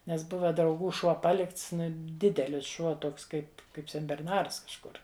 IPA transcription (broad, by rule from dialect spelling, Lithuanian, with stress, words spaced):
nʲɛs ˈbʊʋɐ drɐʊˈɡuː ˈʃuɔ ˈpɑːlʲɪkts ˈdʲɪdʲɛlʲɪs ˈʃuɔ ˈtoːks ˈkɐɪp ˈkɐɪp sʲɛnʲbʲɛrˈnɐrs kɐʃˈkʊr